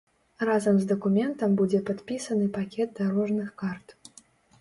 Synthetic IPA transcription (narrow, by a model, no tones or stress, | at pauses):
razɐmzd̪ɐkumʲɛnt̪ɐmbud͡zʲɛpat̪pʲisɐnɨpakʲɛd̪̚d̪aɾɔʐnɨxkart̪